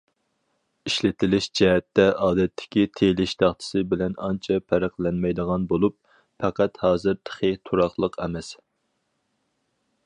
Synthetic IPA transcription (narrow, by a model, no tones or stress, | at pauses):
iʃlɪt̪ʰɪlɪʃd͡ʒɛɦɛt̪ːɛʔɑːd̪ɛt̪ʰːɪ̥kʲit̪ʰelɪʃt̪ʰɑχt̪ʰɨ̥sɨbɪlɛnɑnt͡ʃʰɛpʰæɾæqlɛnmɛjd̪əʁɑnbolˠup̚ | fɛqæt̪hɑːzɨɾt̪ʰə̥χʰit̪ʰuɾɑχlˠəqʰɛmɛs